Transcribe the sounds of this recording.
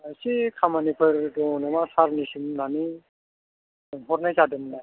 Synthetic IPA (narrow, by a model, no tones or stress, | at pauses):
sikʰamanipʰɯɾdɔnamasaɾnisimnani | ɦɔɾnajzadɯmnaj